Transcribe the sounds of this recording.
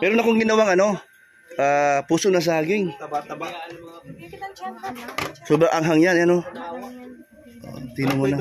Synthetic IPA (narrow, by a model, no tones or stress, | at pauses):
mɛːɾonɐkoŋɡɪnɐwaŋɐno̞ | ʔapuːsonas̬ɐaːɡɪŋ | sobaʔɐŋɦaŋjanɐno | ʔo̰ʔt̪inomuna